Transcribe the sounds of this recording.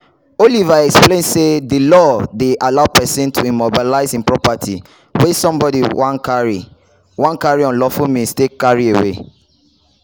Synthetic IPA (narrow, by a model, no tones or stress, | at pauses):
olivaɛksplẽnsedəlɔdeʔalaʊpɛsĩntʰuimɔbilaɪzĩnpɹɔpatʰḭ | wɛsɔ̃mbɔdiwãnkaɹḭ | wãnkaɹiɔ̃nlɔfumĩnstekaɹiewḛ